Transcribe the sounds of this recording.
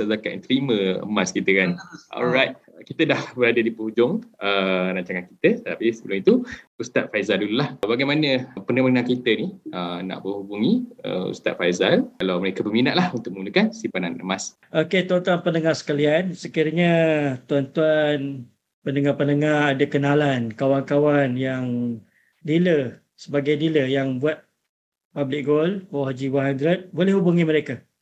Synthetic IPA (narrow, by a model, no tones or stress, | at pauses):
azakaʔt̪əɾimə̃ə̰maskit̪əkanɔ̰lɾajt̪̚kit̪ədahbəɾadədipəhud͡ʒʊŋəɾaɲt͡ʃaŋanki̥t̪əsət̪ət̪apisəbəlʊmit̪uust̪a̰t̪̚fajzaldululahbaɡajmanəpənəmənaŋkit̪əniʔəna̰ʔbəhubuŋiə̰ṵst̪a̰t̪̚fajzalkalawməɾekəbərminaʔlahunt̪ʊk̚məŋɡunəkansipananə̰mas | ʔoket̪uant̪uanpənəŋahsə̥kaliansəkiɾəɲat̪uant̪uan | pənəŋahpənəŋahadakənalankawankawanjaŋ | dilə | səbaɡajdiləjaŋbuat̪̚ | pablɪk̚ɡolkoɦad͡ʒiwaɦand̪ɾət̪̚bolɛhɦubuŋiməɾeka